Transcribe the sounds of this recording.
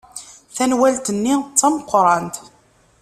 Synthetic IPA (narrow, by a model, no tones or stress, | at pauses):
θænwælt̪ənːit͡sːɑməqʷːɾˤɑnt̪